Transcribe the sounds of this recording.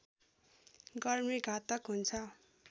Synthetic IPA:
ɡʌrmiɡʱat̪ʌkɦunt͡sʰʌ

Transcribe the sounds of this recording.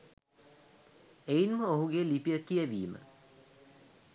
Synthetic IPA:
ejinməoɦuɡelipijəkijəʋiːmə̰

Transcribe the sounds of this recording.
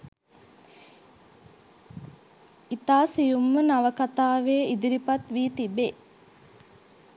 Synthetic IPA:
it̪aːsijumːənaʋəkat̪aːʋeːid̪iɾipat̪ʋiːt̪ibe

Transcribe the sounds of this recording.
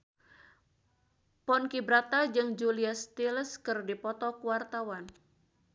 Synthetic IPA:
pɔnkibɾat̪ad͡ʒɨŋd͡ʒuliast̪ilskɨrdipɔt̪ɔkuwart̪awan

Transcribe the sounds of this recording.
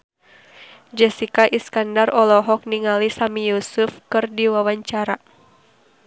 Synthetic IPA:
d͡ʒɛsikaʔiskandarɔlɔɦɔk̚niŋalisamijusufkɨrdiwawaɲt͡ʃaɾa

